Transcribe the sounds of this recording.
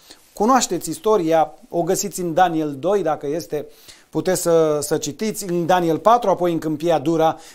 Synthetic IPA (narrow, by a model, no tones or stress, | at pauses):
kunoaʃt̪e̞t̪sʲist̪o̞ɾiao̞ɡəsit̪sʲɨnd̪anield̪o̞jd̪akəje̞st̪e̞put̪esʲsəsət͡ʃit̪it̪sʲɨnd̪anielpat̪ɾuapo̞jɨŋkɨmpiad̪uɾa